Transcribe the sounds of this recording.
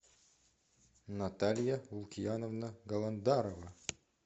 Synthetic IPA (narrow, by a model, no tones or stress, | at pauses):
nɐt̪alʲjaulˠkʲijanovnəɡɐlˠɐnd̪aɾovɐ